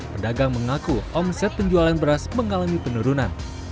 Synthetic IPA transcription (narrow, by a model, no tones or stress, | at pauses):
pədaɡaŋməŋakuʔɔmsɛt̪̚pəɲd͡ʒualanbəɾasməŋalamipənuɾunan